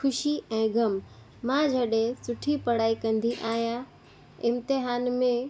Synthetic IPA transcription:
xʰʊʃiɛ̃ːɡʱɐmː | ãd͡ʑʱɐɗesʊʈʰipɐɽaːikɐ̃nd̪iʔaːɦija | ɪ̃mt̪ɪɦaːnmẽ

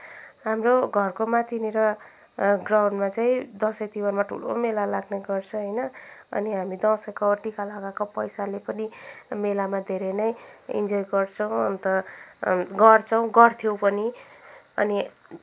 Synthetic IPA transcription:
ɦamroɡʱʌrkomat̪ʰineɾʌ | ɡrawnɖmat͡saĩd̪ʌ̃sʌkt̪iwʌrmaʈʰṵlo̰melalaɡneɡʌrt͡sʰʌ̃ɦʌjnʌʌ̰niɦamid̪ʌ̃sʌkʌʈikalaɡakopʌjsalepʌnimelamad̪ʱeɾʌnʌjḭnd͡zojɡʌrt͡sʰʌw̃ʌ̰nt̪ʌ | ɡʌrt͡sʰʌw̃ɡʌrt̪ʰijowpʌni | ʌ̰ni

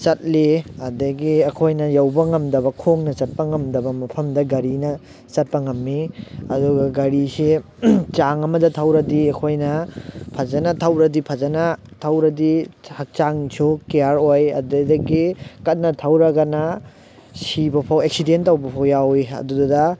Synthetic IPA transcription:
t͡ʃɐt̚liɐdɐɡiɐkʰojnɐjɐwbɐŋɐmdɐβɐkʰoŋnɐt͡ʃɐt̚pɐŋɐmdɐbɐmɐpʰɐmdɐɡɐɾinɐ | t͡ʃɐt̚pɐŋɐmːiɐduɡɐɡɐɾise | t͡ʃaŋɐmɐdɐtʰɐwɾɐdiɐkʰojnɐpʰɐzɐnɐtʰɐwɾɐdipʰɐzɐnɐtʰɐwɾɐdihɐk̚t͡ʃaŋsʰukejaɾojɐ̰dɐdɐɡikɐt̚nɐtʰɐwɾɐɡɐnɐ | sibɐpʰɐwek̚sidenttːɐwbɐpʰɐwjawiɐ̰duddɐ

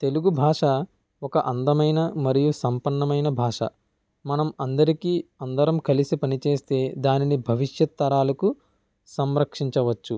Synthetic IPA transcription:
t̪e̞luɡubʱaːʂɐ | ɔkɐʔɐnd̪ɐmɐjnɐmɐɾijusɐmpɐɳːɐmɐjnɐbʱaːʂɐ̰ | mɐnɐmɐnd̪ɐɾikiːɐnd̪ɐɾɐmkɐlisipɐnit͡ʃeːst̪e̞ːd̪aːninibʱɐʋiʂjɐt̪ːɐɾaːlɐku | sɐmɾɐkʂiɲt͡ʃɐʋɐt͡ʃːu

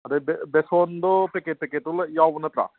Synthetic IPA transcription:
ɐɾebebesoːnd̪opekepekeʈ̪uljaːʋunɐt̪ɾa̰ː

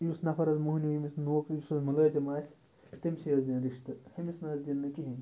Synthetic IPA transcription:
jusnɐfɐɾɐzmuɦunʲuimisnoːkjusɐzmɐlɐːd͡ʒɐmaːsʲ | t̪ɐmʲsijɐzd̪ʲinɾiʂt̪ɨhɐmisnɐːzd̪ʲinːɨkiɦinʲ

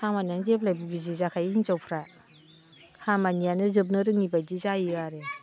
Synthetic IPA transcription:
hamananzepʰlajbubizizakʰajnzɔwpʰɾa | hamanijanɯzɯp̬̚nɯɾɯŋibajdizajɯaɾe

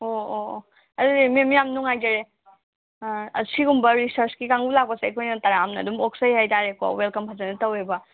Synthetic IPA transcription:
oo | ɐdudimiemijamnuŋajd͡ʒaɾe | ɐ̰siɡumbɐɾisɐɾskikaŋɡulak̚pɐseekʰojnɐtɐɾaːmnɐːdumoksɐjhajtaɾeko̰welkɐmpʰazanɐtɐwebɐ

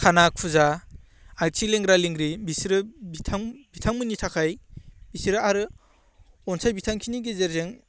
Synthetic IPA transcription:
kʰanak̚pʰuza | ak̚tʰileŋɾaliŋɡɾibisɾɯbitʰaŋbitʰaŋmɯnitʰakʰajbisiɾɯaɾɯ | ɔnsʰajbitʰaŋkʰiniɡezeɾzeŋ

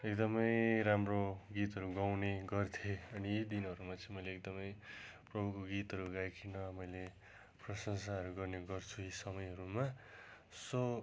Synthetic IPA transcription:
ekd̪ʌmʌjɾamroɡit̪ɦʌɾuɡawneɡʌrt̪ʰjeʌnid̪inɦʌɾumat͡sʰʌĩmʌjleːkd̪ʌmʌjprʌbʱukoɡit̪ɦʌɾuɡajkʰinʌmʌjle | prʌsʌŋsaɦʌɾuɡʌrneɡʌrt͡sʰuisʌmʌjɦʌɾuma | sʌ

